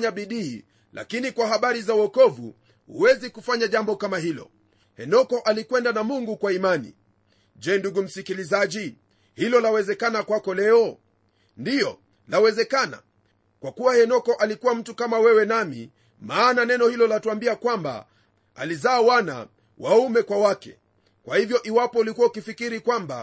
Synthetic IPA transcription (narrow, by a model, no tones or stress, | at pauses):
ɲaɓiɗiḭ | la̰kinikwaɦaɓaɾizauwɔkɔvṵ | hṵwɛzikufaɲaʄambɔkamaɦilɔ̰ | hɛnɔkɔʔalikwɛndanamuŋɡukwaimanḭ | ʄɛːnduɡum̩sikilizaʄi | hilɔlawɛzɛkanakwakɔlɛɔ | ndiɔ | lawɛzɛkana̰ | kwakuwahɛnɔkɔʔalikuwam̩tukamawɛwɛnamḭ | maːnanɛnɔhilɔlatuambiakwamba̰ | a̰lizaːwana̰ | waumɛkwawakɛ̰ | kwahivjɔʔiwapɔulikuwaukifikiɾikwamba̰